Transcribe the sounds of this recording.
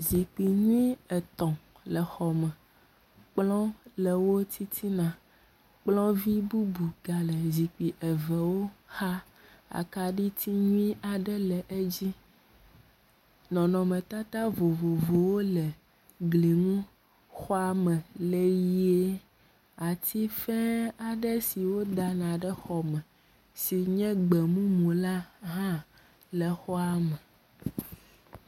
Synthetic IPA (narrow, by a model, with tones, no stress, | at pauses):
zi˨k͡pi˨ɲũ˦i˦ɛ˨t̪ɔ̃˨ | lə˨xɔ˨mɛ̃˨ | k͡plɔ̃˦le˨wo˦t̪ʰi˦t̪ʰi˦nã˨ | k͡plɔ̃˦vi˦bu˦bu˨ɡa˨lə˨zi˨k͡pi˨ʔe˨vɛ˨wo˦xa˦ | a̰˨ka˨ɖi˦t̪ʰi˦ɲũ˦ĩ˦a˨ɖɛ˦lɛ˨ʔe˦d͡ʑi˦ | nɔ̃˨nɔ̃˨mẽ˨t̪a˦t̪a˦vo˨vo˨vo˨wo˦lɛ˨ | ɡli˨ŋũ˦ | xɔ˦a˦mɛ̃˨le˦ji˦e˦ | a˨t̪ʰi˦fɛ˦a˨ɖɛ˦si˨wo˦d̪a˨nã˨ɖɛ˦xɔ˨mɛ̃˨ | si˨ɲɛ̃˦ɡ͡bɛ˨mũ˦mũ˨la˦ɦã˦ | lɛ˨xɔ˦a˦mɛ˨